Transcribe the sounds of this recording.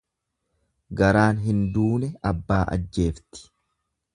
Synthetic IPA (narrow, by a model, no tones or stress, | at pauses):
ɡɐɾaːnɦɪnd̪uːnɛɐbːaːʔɐ̰d͡ʒːe̞ːft̪ɪ̥